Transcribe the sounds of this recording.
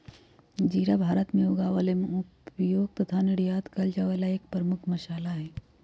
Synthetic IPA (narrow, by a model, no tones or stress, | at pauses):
d͡ʒiːɾabʱaːɾət̪mẽuɡaʋalemʊpjoːɡ̚t̪ɐt̪ʰanɪɽjaːd̪kɐld͡ʒaʋalaeːk̚pɾəmʊkʰmɐʃaːlaɦɛː